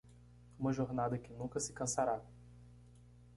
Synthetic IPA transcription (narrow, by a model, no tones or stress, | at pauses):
ũmɐʒoɾnad̪ɐkɪnũkɐsɪ̥kɐ̃saɾa